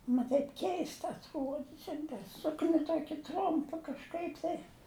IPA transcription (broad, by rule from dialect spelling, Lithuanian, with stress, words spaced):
ˈmɐ tɐɪp ˈkʲɛɪstɐ ɐtˈruɔdʲɪ ˈʃʲɛnʲdʲɪ ˈsʊknʲɪ ˈtuɔkʲɪ ˈtrʊmpɐ kɐʃˈkɐɪp tɐɪ